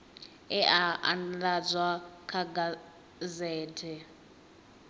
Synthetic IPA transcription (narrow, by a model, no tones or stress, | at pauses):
ɛʔaa̰ndad͡zwakʰaɡa | zɛːtʰɛ